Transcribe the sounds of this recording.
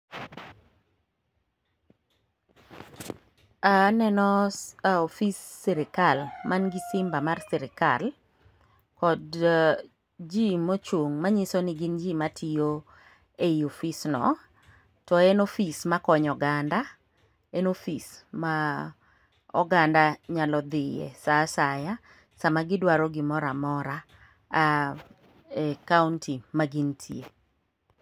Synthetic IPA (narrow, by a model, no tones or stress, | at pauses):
anɛnɔaofisːiɾɪkalmanɡisɪmbamarsiɾɪka̰l | kɔd | d͡ʒimot͡ʃwoŋmaɲisoniɡɪnd͡ʒimatʰio | eiofisnɔ̰ | tɔenofismakɔɲɔɡanda | enofisma | ɔɡandaɲalɔd̪ɪjɛ̰sasaja | samaɡɪdwaɾɔɡɪmɔɾamɔɾa | ɛkauntʰimaɡintʰie